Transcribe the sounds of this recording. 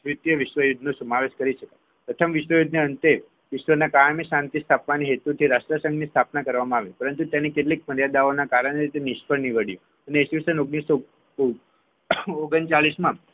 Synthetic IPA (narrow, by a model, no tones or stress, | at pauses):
ɾɪt̪jəʋɪʃʋəjud̪ʱnosəmaʋeʃkəɾiʃəka | pɾət̪ʰəmʋɪʃʋəjud̪ʱneənt̪e | ʋɪʃʋənakajmeʃãnt̪ist̪ʰapʋaniɦet̪ut̪ʰiɾaʃʈɾasə̃ŋɡnist̪ʰapnakəɾʋamãaʋepəɾənt̪ut̪janikeʈlek̚məɾjad̪aonakaɾəɽ̃eɾit̪eniʃpəɳniʋəɽjo | əneːsisənoɡniso | oɡənt͡ʃaɭismã